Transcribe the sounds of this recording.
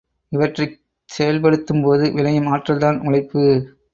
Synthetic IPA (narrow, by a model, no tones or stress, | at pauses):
ɪʋɐʈrɐɪ | sɛjɐlpɐɽɯt̪ːɯmpoːðɯʋɪlɐjɯmaːʈrɐlt̪aːnʊlɐɪpːɯ